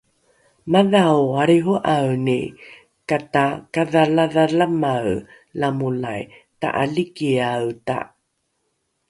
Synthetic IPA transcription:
maðawaɾiɦuʔawni | katakaðalaðalamaw | lamulaj | ta̰ʔa̰likiawta̰

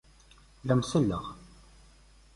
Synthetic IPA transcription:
læmsəlːə̰ʁ

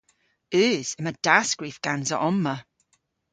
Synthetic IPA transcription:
ʉːz̥əməd̥asɡ̥ɹifɡ̥anzəʔɔmːə

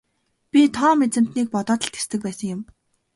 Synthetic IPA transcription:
pʲit̪ʰɔːmet͡sɘ̆m̥t̪niːk̚pɔt̪ɔːt̪ə̆ɬt̪e̥st̪ɘ̆k̚pæːsə̆ŋjʊ̆m

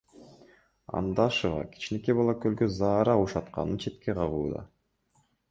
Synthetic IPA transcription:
ɑ̰nd̪ɑʃuʁɑ̰ki̥t͡ʃinekebɑlˠɑkølɡøzɑːɾɑuʃɑt̪qɑ̰nɯnt͡ʃʰe̞t̪ke̞qʰɑʁuːd̪ɑ̰

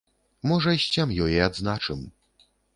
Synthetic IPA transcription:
mɔʐɐɕʲt͡ɕʲamjɔjɛad̪znat͡ʂɨm

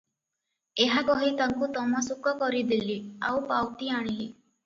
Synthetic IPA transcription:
eɦakɔɦit̪aŋkut̪ɔmasukɔkɔɾid̪ilia̰wpawt̪iaɽ̃ili

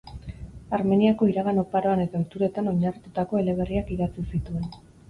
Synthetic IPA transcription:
aɾme̞niako̞iɾaɣano̞paɾo̞ane̞t̪aot̪uɾe̞t̪ano̞ɲarit̪ut̪ako̞e̞le̞β̞e̞riakiɣat͡sisit̪ue̞n

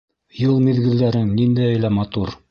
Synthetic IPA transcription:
jɤlˠmiðɡɘ̆lːæɾɘŋnind̪æjɘlæmɑt̪uɾ

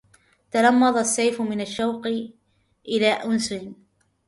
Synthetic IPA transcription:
t̪ɑlɑmːɑðˤɑsːajfʊmɪnaʃːawq | ʔɪlaːʔʊnsɪn

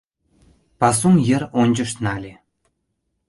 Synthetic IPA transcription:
pɑs̬uŋjɘ̆ɾonʲd͡ʑɤ̆ʃnɑlʲe

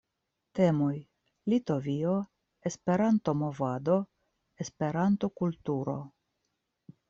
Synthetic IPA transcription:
te̞moj | lito̞vio̞ | e̞spe̞ɾanto̞mo̞vado̞ | e̞spe̞ɾanto̞kultuɾo̞̰

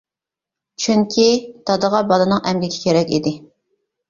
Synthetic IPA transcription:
t͡ʃʰyŋkʲʰit̪ɑd̪əʁɑbɑlˠɨnɨŋʔɛmɡʲiɡʲɛ̥kʲʰeɾɛkʲḭd̪ɪ

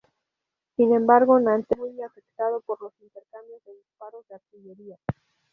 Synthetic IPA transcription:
sinẽ̞mbaɾɣo̞nant̪emumeafe̞k̚t̪að̞o̞po̞ɾlo̞sint̪e̞ɾkambjo̞zðeðispaɾo̞zðeast̪iʝe̞ɾia

